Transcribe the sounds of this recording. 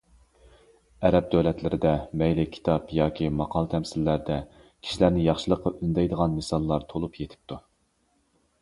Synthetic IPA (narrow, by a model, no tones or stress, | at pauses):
ɛɾɛp̚d̪ølɛt̪lɪɾɪd̪ɛmɛjlɪkʲʰi̥t̪ʰɑpjɑːkʲʰimɑqʰɑlˠt̪ʰɛmsɪlːæɾd̪ɛ | kʲʰi̥ʃilæɾnɪjɑχʃɨlˠəqːɑynd̪ɛjd̪əʁɑnːɨsɑlˠːɑɾt̪ʰolˠupjet̪ʰɪ̥p̚t̪ʰu